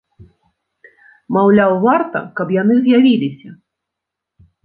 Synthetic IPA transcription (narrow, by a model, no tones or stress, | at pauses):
mawlʲawvart̪ɐ̰kɐpjan̪ɨzʲjavʲilʲisʲɐ